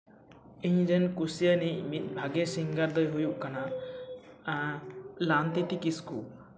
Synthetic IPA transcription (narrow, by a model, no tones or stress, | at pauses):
iɲzɛnkusijanimit̪̚ˀbʱaɡesiŋɡaɾd̪ɔjɦujuʔkana | alant̪it̪ikiskṵ